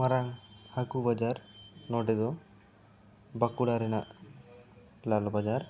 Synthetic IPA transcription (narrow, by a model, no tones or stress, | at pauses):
maɾaŋhakubad͡ʒaɾnɔɖɛd̪ɔ | bakuɽaɾɛnaʔ | lalɔbad͡ʒaɾ